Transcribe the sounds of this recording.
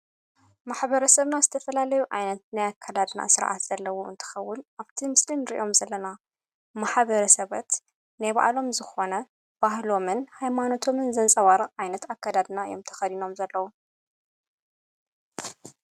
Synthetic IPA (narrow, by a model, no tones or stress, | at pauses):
maħβɐɾɐsɐβnazɨt̪ʰɐfɐlalɐjuʕa̰jnɐt̪̚najakʰːad̪ad̪na̰sɨɾʔa̰t̪z̥ɐlːɐwoɨ̰nt̪ʰɨ̥xɐwːʊnʔaβt̪ʰimɨslimɾiʔo̞mzɐlːɐna | maħβɐɾɐsɐβɐt̪ | najβa̰ʔlo̞mzɨxo̞nɐ | b̥ahlo̞mɨnhajmano̞t̪ʰo̞mɨnzɐnt͡sʼɐwaɾɨχʼʕajnɐt̪akːad̪ad̪naɨ̰jo̰mt̪ʰɐ̥xɐd̪ino̞mzɐlːɐwu